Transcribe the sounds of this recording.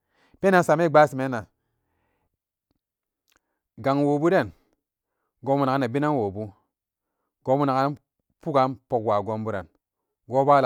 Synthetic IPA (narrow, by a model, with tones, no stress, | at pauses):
pe˦na˨nsa˨me˦˨ɡ͡ba˦si˨me˨˦na˨ | ɡa˨ŋwo˨bu˦de˦˨n | ɡo˨˦mu˦na˨ka˦na˨bi˦na˦nwo˨bu˦ | ɡ̥o˨˦mu˦na˨ka˦ | pu˦ɡa˦npo˨kwa˨ɡo˦mbu˦ɾa̰˨n | ɡo˦ba˦la˨